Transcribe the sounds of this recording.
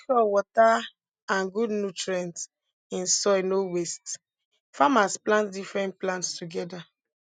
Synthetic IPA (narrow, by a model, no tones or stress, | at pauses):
kɔwɔta | ãnɡudnutɹɛ̃nt | ĩnsɔɪnowest | famasplãntdifɹɛ̃ntplãntstuɡɛda